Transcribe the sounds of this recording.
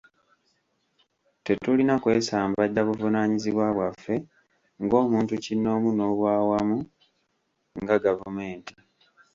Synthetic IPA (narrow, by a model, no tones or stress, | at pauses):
te̞tulinakwe̞ːsaːmbaɟːaβuvunaɲiziβwaβwafːe̞ | ŋɡo̞ːmuːntucinːo̞ːmuno̞ːβwaːwamu | ŋɡaɡavume̞ːnti